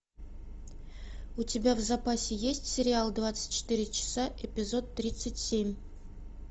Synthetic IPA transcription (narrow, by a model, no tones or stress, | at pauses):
utʲebʲavzapasʲejesʲtʲsʲeɾʲɪalˠd̪vat̪sɨ̥tʲt͡ʃɪ̥t̪iɾʲɪt͡ʃʰɪ̥saʔepʲizo̞t̪ːɾʲit̪sɨtʲsʲe̞mʲ